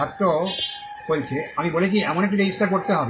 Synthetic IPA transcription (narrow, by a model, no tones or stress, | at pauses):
at̪ːo | kolt͡ɕʰeamibolet͡ɕʰiɛmonekʈ̬ːuɾeɡisʈːak̬oɾt̪eɦɔbe